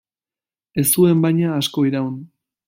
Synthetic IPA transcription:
e̞st̪ue̞mbajɲaːsko̞iɾawn

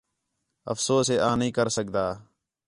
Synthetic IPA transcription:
ə̰fsoːseːʔãːnɦĩːkəɾsəkd̪aː

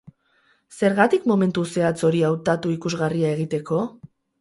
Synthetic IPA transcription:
se̞ɾɣat̪ikmo̞me̞nt̪use̞at͡so̞ɾiawt̪at̪uikuzɣariae̞ɣ̞it̪e̞ko̞

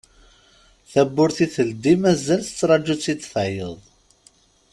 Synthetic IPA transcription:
θæbːʊɾθiθəld̪imæzælθə̥t͡sːɾˤɑd͡ʒut͡sːit͡sːfæjəðˤ

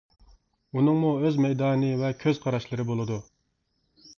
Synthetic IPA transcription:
unɨŋmuøzmɛjd̪ɑːnɨvɛkʲʰøz̥qʰɑɾɑʃlˠɨɾɨbolˠɨd̪u

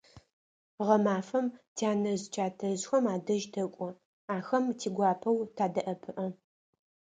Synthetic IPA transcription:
ʁɐmaːfɐmtʰiaːnɐzt͡ʃʰaːtʰɐzxʷɐmaːdɐʒtʰɐkʷʼɔ | aːxɐmtʰiːɡʷɑːpʰɐwtʰaːdɐʔɐpʰɨʔɐ

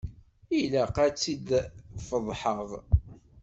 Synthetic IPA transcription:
ilæqæt͡sːid̪fəðˤħəʁˤ

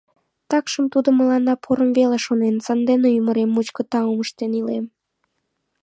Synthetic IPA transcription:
t̪ɑkʃəmt̪ud̪oməlɑnːɑpʰoɾəmveleʃonensɑnd̪eneyməɾemːut͡ɕkət̪ɑuməʃt̪enilem

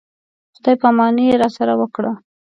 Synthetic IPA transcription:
xd̪ɑjpamɑnijeɾɑsaɾawəkɽa

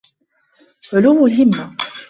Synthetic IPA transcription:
ʕʊluːmʊlɦɪmːa

